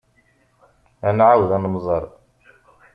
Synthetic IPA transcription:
ʔænʕawd̪ænmzˤɑɾˤ

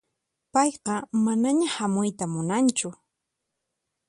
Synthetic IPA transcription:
pɑjqɑmanaɲahamʊjt̪amʊnant͡ʃʊ

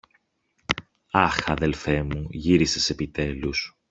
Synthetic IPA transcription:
ɐxɐðe̞lfe̞muʝiɾisese̞pit̪e̞lus

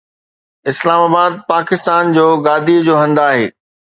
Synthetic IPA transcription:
ɪslaːmaːbaːd̪̚paːkɪst̪aːnd͡ʑoːɡaːd̪iəd͡ʑoːɦɐ̃nd̪aːɦeː

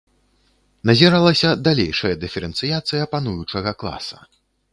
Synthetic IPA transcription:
nɐzʲɛɾalˠɐsʲɐd̪alʲejʂɐjɐd̪ɨfʲɛɾɛnt̪sɨjat̪sɨjɐpanujut͡ʂɐɣɐklˠa̰sɐ̥

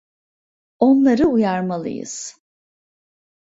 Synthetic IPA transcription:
onlˠaɾɯujaɾmalˠɯ̰jɯ̰z̥

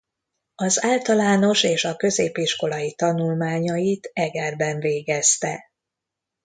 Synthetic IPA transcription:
ɒzaːlt̪ɒlaːno̞ʃeːʃɒkø̞zeːpiʃko̞lɒjit̪ɒnulmaːɲɒjit̪ɛɡɛrbɛɱveːɡɛst̪ɛ̰

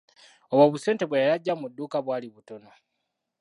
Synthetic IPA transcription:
oβwaβuse̞ːnte̞βwejajaɟːamudːuːkaβwaːliβuto̞na

